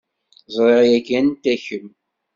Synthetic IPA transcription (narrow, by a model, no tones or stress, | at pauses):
zˤɾˤeʁjæɡænt̪æçəm